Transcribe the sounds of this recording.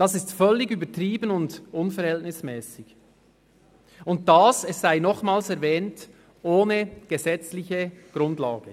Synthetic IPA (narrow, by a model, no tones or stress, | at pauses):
d̥ɑsɪstfœlːɪɡyːbətʁiːbənʊndʊnfɛɾhɛltnɪsmɛːsɪɡ | ʊnt̚d̥aːsɛsːaɪnɔχmaːlsɛɾvɛːnt | ʔoːnəɡ̥əzɛt͡slɪçəɡ̥ɾʊndla̰ːɡ̥ə